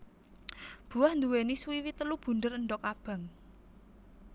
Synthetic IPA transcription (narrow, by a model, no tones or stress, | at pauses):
b̥ṳahnd̪uweniswiwit̪əlub̥ṳnd̪əɾənɖɔkab̥a̤ŋ